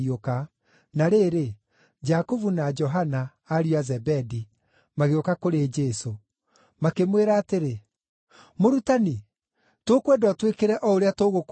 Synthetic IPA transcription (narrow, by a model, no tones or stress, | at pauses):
ioka | naɾeːɾe | d͡ʒakovunad͡ʒɔɦanaː | ɾiazɛbɛdi | maɣeokakoɾed͡ʒɛso | makemweɾaːteɾe | moɾutani | tokwɛdɔtwekeɾɛʔɔoɾeatoɣok